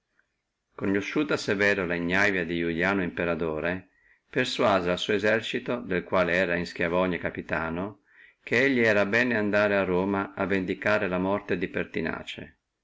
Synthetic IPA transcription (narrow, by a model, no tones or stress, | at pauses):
konːoʃːuːt̪asevɛːɾolaiɲːajvjad̪ijuʎjaːnoimpeɾad̪oːɾe | perswaːzealsuːezɛrt͡ʃit̪od̪elkwaːleɛːɾainsk̟javɔɲekapit̪aːno | k̟ʰeeʎːiɛːɾabɛːneand̪aːɾearːoːmaavːend̪ikaːɾelamɔrt̪ed̪ipert̪ina̰ːt͡ʃḛ